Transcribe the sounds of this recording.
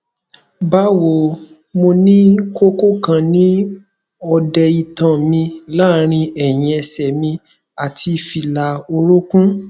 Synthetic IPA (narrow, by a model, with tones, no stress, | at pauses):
ba˦wo˨ | mo˧nĩ˦ko˦ko˦kã˧nĩ˦ | ɔ˧dɛ˧i˨tã˨mĩ˧la˦ɾ̃ĩ˧ɛ˨j̃ĩ˧ɛ˧sɛ˨mĩ˧ | a˨tʰi˧fi˧la˧o˧ɾo˦kũ˦